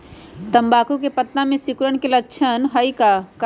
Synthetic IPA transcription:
t̪ɐmbaːkok̬epət̪ːãmẽsɪkɾəɽ̃kelətːʃʰənɦɐikak

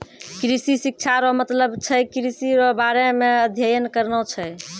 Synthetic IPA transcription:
kɾisisik̚t͡ʃʰaɾɔmət̪ləbt͡ʃʰɛjkɾisiɾɔbaɾemeəd̪ʱjəjənkəɾnət͡ʃʰɛ

